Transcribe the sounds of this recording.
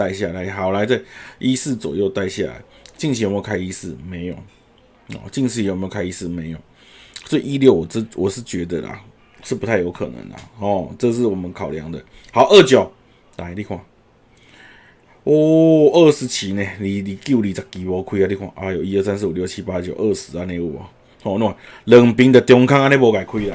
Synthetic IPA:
t̪a˥˧ɪɕja˥˨la˨˧˦ɪxa˨˩ʊla˧˦ɪt͡sa˥˧ɪi˦˥sɹ̩˥˨t͡swɔ̰˨˩jo˥˧ʊt̪a˥˧ɪɕja̰˥˨˩la̰˨˦ɪt͡ɕi˥˧ŋt͡ɕʰwkʰa˥ɪi˧˥sɹ̩˥˩me˧˦ɪjo̰˨˩˦ | ɔ̰˨˩t͡ɕi˥˧ŋɕʰi˧˨m˧˥˨kʰa˥ɪi˥sɹ̩˥˩me˧˦ɪjɔ˨˩˦ŋ | sɔ˧˥i˨i˦˥ljo˥˩ʊwɔ˨˩t͡s̩˥˧wʔɔ˨˩ʂɻ̩˥˩t͡ɕɥɛ˧˥d̪ə̰˨la̰˨˩ | ʂɻ̩˥˩pu˧˦t̪ʰa˥˩ɪjo˧˥ʊkʰɤ̰˨˩nə̰˧˦ŋla̰˨˩hɔ˨˩ʈ͡ʂɤ˥˧ʂ̬ɻ̩˥˩wɔ˨˩mə˨˦nkʰa˨˩ʊlja̰˧˦ŋd̪ə˨ | ha˨˦ʊʔə˥˩t͡ɕjo˨˩ʊ | la˧˦li˥˧kʰwa˨˩˦ | ɔ˥˩ə˥˧ʂɻ̩˧˥t͡ɕʰi˧˦nẽ˨li˨˩li˨˩kju˥˩li˨˩t͡sa˨˩kːi˨pɔ˧˥kʰwi˦˥a˧li˥˩kʰwa̰˨˩ʔa˧jo˨˩ʊi˧˦ə˥˧˨sa˥˦ns̬̩˧˨u˨˩ljo˥˩ʊt͡ɕʰi˦˥pa˦˧t͡ɕjo˨ʊʔə˥˧˩ʂɻ̩˧˦a˧nẽ˧u˥˨˩a̰˨˦ | hɔ˥˧˦nu˥˩wa˨nlə˨˩ŋpi˧ŋd̪ə˨t̪jɔ˧˥ŋkʰa˥ŋa˧˥nẽ˥˩pwɔ˧ka˨ɪkʰwi˦˥la˨

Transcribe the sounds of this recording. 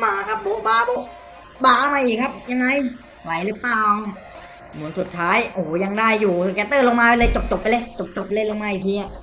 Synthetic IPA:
maː˧kʰa˦˥p̚buː˧˥baː˧˩buː˧˩ | baː˧˩ʔa˧˩maː˧ʔiː˨˩kʰa˦˥p̚ja˧ŋːa˧j | la˨˦jlɯː˦˥plaː˧˩w | mu˨˩˦nsu˨˩t̪ʰːaː˦˥jʔoː˨˩ja˧ŋdaː˥˩jːuː˨˩˨kɛː˧˩t̪ːɤː˥˩lo˧ŋmaː˧a˧lɤː˧jt͡ɕo˨˩p̚t͡ɕo˨˩pːa˧lɤː˧t͡ɕo˨˩p̚t͡ɕo˨˩p̚pa˧le˧˥˩lo˧ŋmaː˧˥ʔi˨˩t̪ʰiː˧a˨˩

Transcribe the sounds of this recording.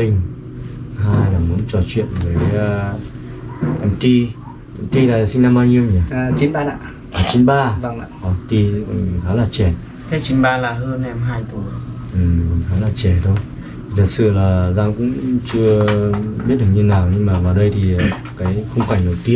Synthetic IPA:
ï˧˩ŋ̟ | haː˧jlaː˨˩mu˨˦ənt͡ɕɔ˧˩t͡ɕwḭ˧˨ənvəː˨˦jː | ʔɛ˧mt̪i˧ | t̪i˧laː˨˩˨sï˧ŋna˧mɓaː˧ɲi˧ə˧wɲa˨˩t͡ɕi˨˦naː˧a˧˨ | ʔaː˨˩t͡ɕi˨˦nɓaː˧˨ʔɔ˨˩t̪i˧˨haː˨˦laː˨˩t͡ɕɛ˧˩ | t̪ʰe˨˦t͡ɕi˨˦nɓaː˧laː˨˩ɦəː˧nʔɛ˧mɦaː˧jt̪u˨˩ | ʔɨ˨˩haː˨˦laː˨˩t͡ɕɛ˧˩t̪ʰo˧j | i˨˩t̪ʰə˨˩t̚sɨ̰˧˨laː˨˩zaː˧ŋkʊ̰˧˥ŋ͡mt͡ɕɨ˧əɓi˦˥t̚ɗɨ˨˩ɲɨ˧naː˨˩wɲɨ˧ŋmaː˨˩vaː˨˩wɗə˧jt̪ʰi˨˩˨ | kaː˨˦jxə˧wŋ͡mkwa˨˧˩jŋɗə˨˩wt̪i˦ə˨n

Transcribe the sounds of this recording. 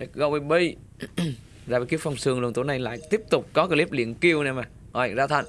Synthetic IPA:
e˨˩kɣo˧wi˧ɓi˧ | zaː˧˩i˧˩ki˦əwfɔ˧wŋ͡msɨ˧əŋlnt̪u˧˨˦na˨˧˩jla̰ː˧˨jt̪i˦˥əp̚t̪ʊ˨˩k͡p̚kɔ˨˦ka˧˩li˦˥p̚lḭ˧˨ənki˧əwnɛ˧maː˨˩ | ɔ˨˩jzaː˧˩t̪ʰa̰˧˩ŋ

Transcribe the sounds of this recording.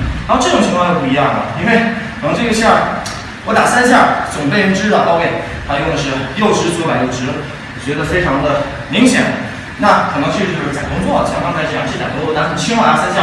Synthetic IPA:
ʈ͡ʂɤ˥˩ʈ͡ʂʊ˨˩ŋt͡ɕʰi˧ŋkʰwɑ˥˧t̪o˥˧pu˥˩i˧˥jɑ˥˩ŋə̰˩i˥nwe˥˩ɪk̪ʰə˧˥ʈ͡ʂe˥˩ə˧ɕjɑ˥˩ | wɔ˧˥t̪a˨˩sa˥nɕ̬ja˥˩t͡sʊ˨˩ŋpe˥˧ɪ˥˩ʈ͡ʂɻ̩˥də˨˩t̪ɑ˥˧ʊke˥˩ɪ | xa˧˥ɪjo˥˩d̪ə˩ʂɻ̩˥˩jo˥˩ʊʈ͡ʂʰɻ̩˥t͡swa˨˩ɪjo˥˩ʊʈ͡ʂʰɻ̩˥ | wɔ˨˩t͡ɕɥɛ˧˥d̪ə˨˧fe˥ɪʈ͡ʂʰɑ˧˥ŋd̪ə˧ | mi˧˥ŋɕjɛ̰˨˩n | na˥˩kʰɤ˨˩nə˧˥ŋt͡ɕʰy˥˧t͡ɕo˥ʊʂ̩˥˩t͡sa˨˩kʊ˥ŋt͡swɔ˥˩t͡ɕʰkɑ˥ŋkʰa˥ʂɻ̩˧˩jɑ˥˩t͡ɕ̪ʰa˨˩kʊ˥t͡sɔ˥˧˩a˥xə˨˩nt͡ɕʰi˥ŋwa˧˥˩t̪a̰˨˩sa˥nɕja˥˩

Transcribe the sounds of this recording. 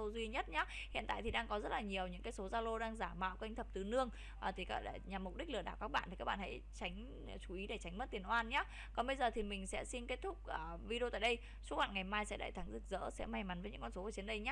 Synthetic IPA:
o˧zwi˧ɲə˦˥t̚ɲaː˨˦ | hḭ˧˨nt̪a̰ː˧˨jt̪i˨˩ɗaː˧ŋkɔ˨˦zə˦˥t̚laː˨˩ɲi˨˩əwɲɨ̰˧˥ŋkaː˨˦jso˨˦zaː˧lo˧ɗaː˧ŋzaː˧˩ma̰ː˧˨wka˧jŋ̟t̪ʰə˨˩p̚t̪ɨ˨˩nɨ˧əŋ | ʔːt̪ʰi˨˩ka˦˥ɗɲa˨˩mːʊ˨˩k͡p̚ɗi˦˥k̟̚lɨ˧˩ɗaː˧˩wka˦˥k̚ɓa̰ː˧nt̪i˨˩kaː˦˥k̚ɓa̰ː˧˨ha̰˧˥jt͡ɕa˨˦ŋ̟˨˩ | t͡ɕu˨˦i˨˦ɗe˧˩t͡ɕa˨˦ŋ̟mə˦˥t̚t̪i˨˩ənʔwaː˧nɲaː˨˦ | kɔ˨˦ɓə˧jzəː˨˩t̪ʰi˨˩mï˨˩ŋ̟sɛ̰˧˥si˧nke˦˥t̚t̪ʰʊ˦˥k͡p̚ʔəː˨˩ | vi˧a̰ː˧˨jɗə˧j | su˦˥ɓa̰ː˧˨nŋa˨˩jmaː˧jsɛ̰˧˥ɗa̰˧˨t̪ʰa˨˦ŋzɨ˨˩k̚zə̰ː˧˥sɛ̰˧˥ma˧˩jma˨˦nvə˨˦ɲɨ̰˧˥kɔ˧nso˨˦vt͡ɕi˨˦ənɗə˧jɲaː˦

